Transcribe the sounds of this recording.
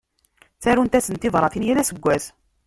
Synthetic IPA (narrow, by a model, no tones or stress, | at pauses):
θæɾunt̪æsənt̪iðˤɾˤɑθinjælæsəɡʷːæθ